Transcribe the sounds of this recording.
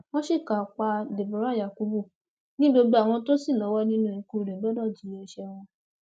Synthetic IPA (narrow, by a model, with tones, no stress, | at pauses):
w̃ɔ̃˦ʃi˦˨ka˨k͡pa˧de˨bɔ˨˦ɾa˦˨ja˨ku˨˦bu˦˨ | nĩ˦bo˧ɡ͡bo˧a˨w̃ɔ̃˧to˦si˦˨lɔ˨˦wɔ˦nĩ˦nũ˦˨ĩ˧ku˦˨ɾɛ˨bɔ˦dɔ˦˨d͡ʒi˨˦ɛ˧ʃɛ˧w̃ɔ̃˧